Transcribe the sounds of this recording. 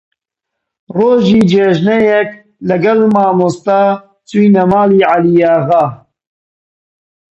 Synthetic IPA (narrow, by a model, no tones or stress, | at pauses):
roːʒiːd͡ʒeːʒnɛjɛk̚ | lɐɡɐlmaːmost̪aː | t͡sujnɐmaːliːʕalijaːɣaː